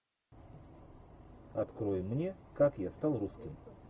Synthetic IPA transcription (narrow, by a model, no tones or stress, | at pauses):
ɐt̪kɾojɪmːnʲekakjast̪alˠruskʲɪm